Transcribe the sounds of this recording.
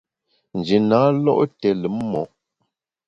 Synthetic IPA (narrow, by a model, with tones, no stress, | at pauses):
n̩˨d͡ʒi˨na˨˦lɔ˦ʔtɛ˨lə˨˦mmɔ˨˦